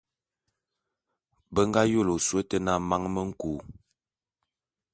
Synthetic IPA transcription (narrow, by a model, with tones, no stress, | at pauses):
bə˦ŋɡa˦jo˦lo˨swə˦tə˦na˦˨ma˦ŋmə˦ŋ̩˦ku˨